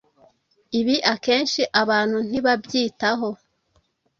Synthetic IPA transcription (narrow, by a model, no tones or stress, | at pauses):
iβiʔake̞ːnʃiʔaβaːn̥hun̥iβabjiːtaɦo̞